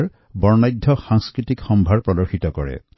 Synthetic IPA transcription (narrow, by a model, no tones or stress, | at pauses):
ɹ | bɔɹnajdʱːɔxaŋskɹitikxɔmbʱaɹpɹɔdɔɹxitɔkɔɹɛ̰